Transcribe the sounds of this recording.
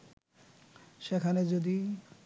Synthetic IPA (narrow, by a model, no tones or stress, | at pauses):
ʃekʰaned͡ʑod̪i